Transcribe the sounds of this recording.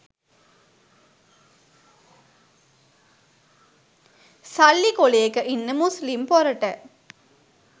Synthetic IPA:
sɐlːikoleekəʔinːəmuslimpoɾəʈə

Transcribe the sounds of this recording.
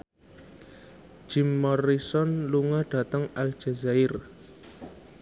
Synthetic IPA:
d͡ʒ̥imːɔrisɔnluŋahɖ̥ä̤t̪əŋal̥d͡ʒ̥azaɪr

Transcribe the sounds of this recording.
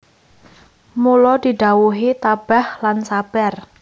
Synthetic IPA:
mulɔd̪̥i̤ɖ̪̥a̤wuɦit̪ab̥a̤hlansab̥ɛr

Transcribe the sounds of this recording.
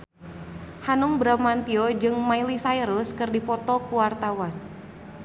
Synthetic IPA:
hanʊŋbɾamant̪iɔd͡ʒɨŋmailisaiɾʊskɨrdipɔt̪ɔkuwart̪awan

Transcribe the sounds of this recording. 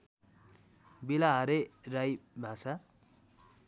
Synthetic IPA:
bilaɦʌɾerajbʱasa

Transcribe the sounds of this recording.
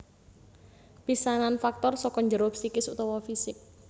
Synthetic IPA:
pisananfak̚t̪ɔrsɔkɔɲd͡ʒəɾɔpsikɪsut̪ɔwɔfisɪk̚

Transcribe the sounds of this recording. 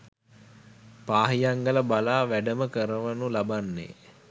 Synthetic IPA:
paːɦijaŋɡələbalaːʋæɖəməkəɾəʋənulabanːḛː

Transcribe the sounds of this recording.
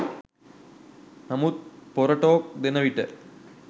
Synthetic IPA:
nɐmut̪̚poɾɐʈːoːk̚d̪enɐʋiʈːɨ

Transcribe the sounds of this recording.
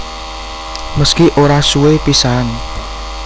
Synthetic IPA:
məskiʔoɾasuwepisaan

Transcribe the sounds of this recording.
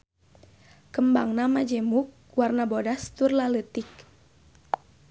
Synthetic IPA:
kəmbaŋnamad͡ʒɛmuk̚ | warnabodast̪urlalət̪ik̚

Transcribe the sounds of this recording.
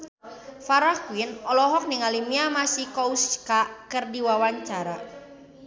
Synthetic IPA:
faɾakwinɔlɔɦɔk̚niŋalimiamasihkɔuskakɨrdiwawaɲt͡ʃaɾa

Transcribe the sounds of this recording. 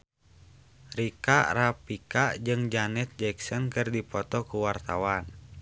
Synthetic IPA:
rikaʔrapikad͡ʒɨŋd͡ʒanɛt̪̚d͡ʒɛksɔnkɨrdipɔt̪ɔkuwart̪awan

